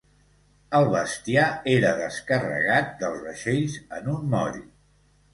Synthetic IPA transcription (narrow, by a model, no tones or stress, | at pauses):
əlˠβəst̪iaeɾəðəskərə̰ɣat̪̚d̪əlˠzβəʃeʎzənunmɔ̰ɾi